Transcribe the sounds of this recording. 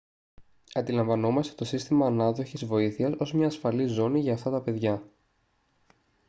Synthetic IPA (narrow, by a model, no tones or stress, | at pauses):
ɐnd̪ilɐɱvɐno̞mɐst̪et̪o̞sist̪imɐːnɐðo̞çizvo̞iθiɐso̞zmɲɐːsfɐlizo̞niʝɐːft̪ɐt̪ɐpe̞ðʝɐ